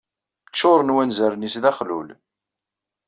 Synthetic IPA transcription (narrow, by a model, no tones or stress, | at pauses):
t͡ʃːʊɾˤənwænzəɾnisðæχlul